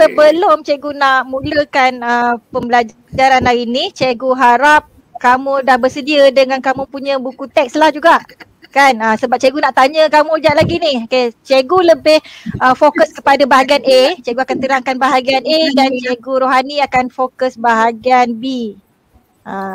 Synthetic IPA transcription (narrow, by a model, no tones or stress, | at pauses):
səbəlomt͡ʃeɡunaʔmũləkanəpəmbəlad͡ʒ | d͡ʒaɾanlainit͡ʃeɡuɦaɾap̚ | kamũdahbərsədiədəŋankamũpuɲə̃bukut̪ɛk̚slahd͡ʒuɡaʔ | kanəsəbap̚t͡ʃeɡunaʔt̪aɲə̃kamũd͡ʒaʔlaɡinihoket͡ʃeɡuləbɪhəfokəskə̥padabaɦaɡianʔet͡ʃeɡuakant̪əɾaŋkanbaɦaɡianedant͡ʃeɡuɾoɦaniakanfokəsbaɦaɡianbi | ə